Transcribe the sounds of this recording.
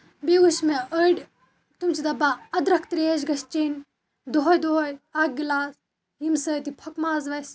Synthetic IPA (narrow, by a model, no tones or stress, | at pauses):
biʋuʃmeəɖʲ | t̪umt͡ʃid̪ɐbaɐd̪ɾɐkʰt̪ɾeezɡɐst͡ʃin | d̪oɦojd̪oɦojaːɡ̚ɡilaːs | jimsɐːt̪ipʰɐkmaːzʋɐs